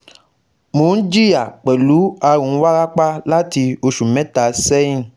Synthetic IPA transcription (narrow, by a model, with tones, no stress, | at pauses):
mõ˨˦n̩˦d͡ʒi˦ja˨k͡pɛ˨lu˨˦a˧ɾũ˨˦wa˦ɾa˦k͡pa˦la˦ti˧o˧ʃu˨mɛ̃˨˦ta˨sɛ˦ĩ˦˨